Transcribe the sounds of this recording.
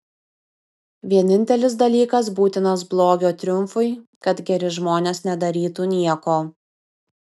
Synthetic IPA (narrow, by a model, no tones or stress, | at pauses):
ʋʲiɛnʲɪnʲt̪ʲɛlʲɪs̬d̪ɐlʲiːkɐs̬buːt̪ʲɪnɐsblˠoːɡʲoːt̪ʲɾʲʊmfʊɪkɐt̪ɡʲɛɾʲɪʒmoːnʲeːsnʲɛd̪ɐɾʲiːt̪uːnʲiɛkoː